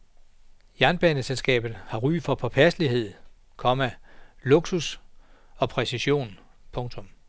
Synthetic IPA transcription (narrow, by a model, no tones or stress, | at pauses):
jæɐnb̥ɛnəselsɡ̥ɛ̰ːb̥ð̩ˠhɑ̈ʁy̰ːfɒ̽pʰɒ̽pʰæsəlihe̝ð̞̰ˠ | kʰɒ̽mælo̝ɡ̥sus | ɒ̽pʰʁɛsiɕo̝̰ːn | pʰɔ̽ŋt͡sʰɔ̽m